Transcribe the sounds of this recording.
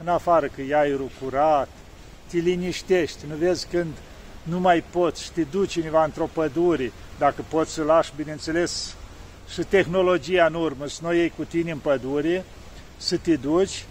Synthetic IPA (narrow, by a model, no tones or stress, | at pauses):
ɨnafaɾəkɨjajɾukuɾat̪ː | iliniʃt̪e̞ʃt̪ʲnuve̞zʲkɨnd̪ | numajpo̞t̪sʲʃi̥t̪ed̪ut͡ʃinevaɨnt̪ɾo̞pəd̪uɾʲe | d̪akəpo̞t̪sʲsəlaʃbinent̪se̞le̞s | ʃit̪e̞xno̞lo̞d͡ʒijaɨnurməsnojejkut̪inʲeɨnpəd̪uɾʲe | sət̪ed̪ut͡ʃʲ